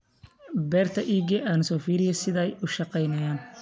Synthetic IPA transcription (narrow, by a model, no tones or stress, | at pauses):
bɛːrt̪ʰɐʔiːɡɛʔaːnʊsɔːfiːɾɪjɛsɪðɛjʊʃɑqɛjnɐjaːn